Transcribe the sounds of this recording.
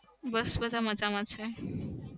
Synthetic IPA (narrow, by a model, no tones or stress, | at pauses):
bəsbəd̪ʱaməd͡ʒamãt͡ʃʰe